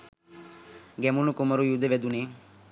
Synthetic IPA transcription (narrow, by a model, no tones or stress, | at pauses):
ɡɛmunukuməɾujud̪eʋɛd̪une